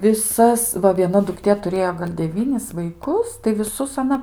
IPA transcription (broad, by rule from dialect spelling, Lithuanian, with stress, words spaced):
ʋʲɪˈsɐs ˈʋɐ ʋʲiɛˈnɐ dʊkˈtʲeː tʊˈrʲeːjoː ɡɐlʲ dʲɛˈʋʲiːnʲɪs ʋɐɪˈkʊs tɐɪ ʋʲɪˈsʊs ɐˈnɐ